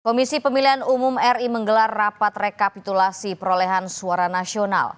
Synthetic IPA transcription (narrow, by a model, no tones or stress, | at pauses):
komisipəmiliɦanumumɛriməŋɡəlarːapat̪rekapit̪ulasipəɾolɛɦansuaɾanasiona̰l